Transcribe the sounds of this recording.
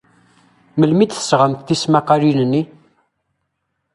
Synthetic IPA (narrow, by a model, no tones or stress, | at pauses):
məlmid̪θə̥sʁəmt̪θismaqaɾinənːi